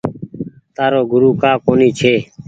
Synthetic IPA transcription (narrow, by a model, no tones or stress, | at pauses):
t̪aːɾoːɡʱʊɾuːkaːkoːniːt͡ʃʰeː